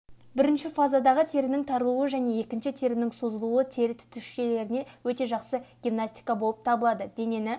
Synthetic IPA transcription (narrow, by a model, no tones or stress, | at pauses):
bɪɾɪnʃɪfazad̪ɑʁət̪ʰe̞ɾɪnɪŋt̪ʰɑɾəlˠuəʒæne̞je̞kʲɪnʃɪt̪ʰe̞ɾɪnɪŋsozəlˠuət̪ʰe̞ɾɪt̪ʰʏ̥t̪ʏʃʃe̞le̞ɾɪne̞wɵt̪e̞ʒɑqsəɡʲimnasʲt̪ʲi̥jkabo̞lˠəp̚t̪ʰɑbəlˠɑd̪əd̪ene̞nɪ